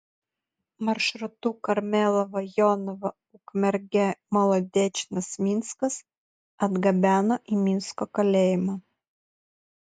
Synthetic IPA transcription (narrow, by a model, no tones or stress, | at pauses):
mɐɾʃɾʊt̪ukɐɾʲmʲɛːlˠɔʋɐjɔːnɔʋɐ | ʊkmʲɛɾʲɡʲɛmɐlˠod̪ʲeːt͡ʃʲɪnɐsmʲɪnskɐs | ɐd̪ɡɐbʲæːnoʔiːmʲɪnskɔkɐlʲeːjɪmɑː